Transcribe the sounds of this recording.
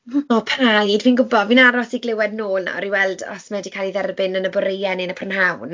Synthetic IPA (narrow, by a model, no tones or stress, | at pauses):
ɔpʰajdviːnɡʊbɔdviːnaɾɔsiɡlɪwɛdnoːlˠna̰ɔɾiwɛlˠdɔ̰smɛdikʰalˠiðɛrbɪnənəbɔɾejɛnɪnapʰrɔnɦawn